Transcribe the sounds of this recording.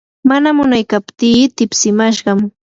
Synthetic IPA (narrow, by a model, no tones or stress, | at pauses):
manamʊnajkapt̪iːt̪ɪpsɪmaʃɢɑm